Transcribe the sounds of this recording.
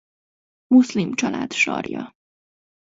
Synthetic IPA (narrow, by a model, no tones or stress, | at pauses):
moslimt͡ʃʰɒlæ̰d̪ʃɒ̰ːɾijɒ̰